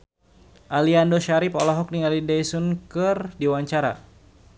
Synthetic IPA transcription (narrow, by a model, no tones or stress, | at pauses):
ʔaliandoʃaɾipɔlɔɦɔk̚niŋalidajsunkɨrdiwaɲt͡ʃaɾa̰